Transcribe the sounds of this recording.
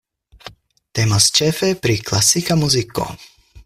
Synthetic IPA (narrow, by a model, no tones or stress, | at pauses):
t̪ɛmɔst͡ʃɛfɛpɾiklasikamuziko̰